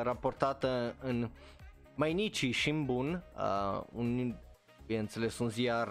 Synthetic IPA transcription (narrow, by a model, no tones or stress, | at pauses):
ɾapo̞rt̪at̪əɨn | majnit͡ʃiʃiɨmbunə̰ṵn | ujeɨnt̪se̞le̞sunziar